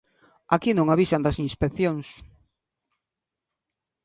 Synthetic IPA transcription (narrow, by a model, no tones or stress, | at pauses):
akinõŋaβisand̪ɐsinspekθjoŋs